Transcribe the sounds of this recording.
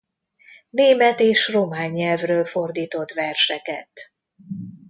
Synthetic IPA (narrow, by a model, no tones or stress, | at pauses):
neːmɛt̪eːʃro̞maːɲːɛlvrøːlfo̞rd̪iːt̪o̞t̪ʋɛrʃɛkɛ̰t̪